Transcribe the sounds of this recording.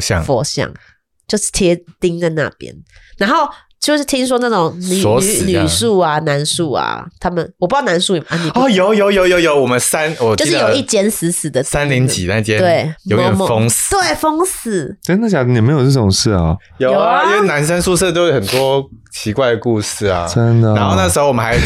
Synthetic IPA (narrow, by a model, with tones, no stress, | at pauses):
ɕjɑ̰˥˨fwɔ˧˥ɕjɑ̰˨˩ŋ | t͡ɕjo˥˧ʊʂ̩˥˩t̪ʰjɛ˦˥t̪i˦ŋt͡sa˥˧ɪna̰˥˨pjɛ̰˦˥nna˧˦nxo˥˩ʊ | t͡ɕjo˥˧ʊʂ̩˥˩t̪ʰi˦˥ŋs̬wɔ˥na˥˩ʈ͡ʂʊ˨˩ŋny˨ɔ˧˦sny˨˩su˥˩a˨˩na˧˦nsu˥˩a̰˨˩t̪ʰa˥mə˨nwɔ˨pu˥˦˥na˧nsu˥˩i˨˦ʔa˧˥˧i˨˥ɔ˥˩jo˨˧˦ʊjo˧ʊjo˧˥ʊjo˧˦ʊjo˧˦ʊwɔ˨˩mə˦nsa˦nwɔ˨˩t͡ɕʊ˥˨ji˥˩t͡ɕjɛ˥ns̩˧˦sɹ̩˨˩d̪ə˨˧sa˦nli˧˥ŋt͡ɕḭ˨˩na˥˧i˦˩t͡ɕjɛ˥˦we˥˩ɪjo˧˦˧ɛ˨m˧fɔ˦ŋst̪we˥˩ɪfo˥ŋs̩˨˩˦o˥na˥˩t͡ɕja˨˩˥jm˧˥jo˨˩ʈ͡ʂə˥˩ʈ͡ʂʊ˨˩ŋʂɻ̩˥˩ɐ˩ | jo˨˦˨ĩ˦ŋwe˥˩ɪna˧˦ns̬ə˥˦nsu˥˧s̬ɤ˥˧t̪o˥ʊjxə˨˩nt̪wɔ˦ | t͡ɕʰi˧˥kwa˥˩ɪdə˩ku˥˧s̩˥˩ɐ̰˩ə˦nd̪ə˨a˧˦nxo˥˧na˥˩ʂ̬̩˧xo˧ʊwɔ˨˩m˦xa˧˦ɪ